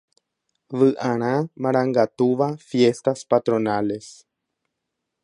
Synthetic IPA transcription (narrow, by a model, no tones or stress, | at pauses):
ʋɨʔãɾ̃ãmãɾ̃ãŋɡat̪uʋafjest̪aspat̪ɾõ̞nale̞s